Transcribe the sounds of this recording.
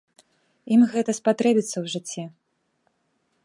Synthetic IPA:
imɣɛt̪ɐspat̪ɾɛbʲit̪sːɐwʐɨt͡sʲːɛ

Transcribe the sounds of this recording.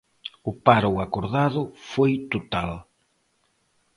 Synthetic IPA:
ʊpaɾoakoɾðaðʊfojt̪ot̪al

